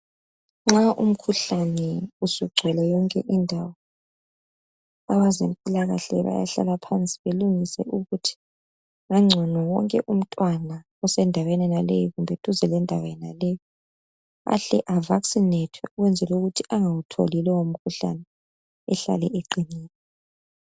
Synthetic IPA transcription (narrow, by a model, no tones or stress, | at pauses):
ŋ͡ǁaʔum̩kʰuɬanɛusuɡ͡ǀʱɛlɛjɔŋkʼɛ̰ʔindʱawɔ | awazem̩pʼilaɣa̰ɬɛ̰βa̰ja̰ɬa̰lapʰant͡sʼi̥βeluŋisɛ̰ʔuɣutʰi̥ | ŋaŋ͡ǀʱɔnɔwɔŋkʼɛʔum̩tʼwana | ɔsɛndʱawenɛnalḛjiɣumbʱɛtʼuzɛlɛndʱawɔɛnalɛjɔ | a̰ɬɛ̰ʔavaksinɛtʰwɛ̰uɣwɛnd͡zʱɛluɣutʰiaŋawutʰo̰lilɛwom̩kʰuɬa̰nɛː | ɬa̰lɛʔeǃiniːnɛ